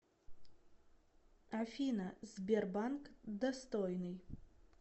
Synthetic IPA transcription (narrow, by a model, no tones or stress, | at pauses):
afʲinazbʲerbankd̪ɐst̪ojnɨj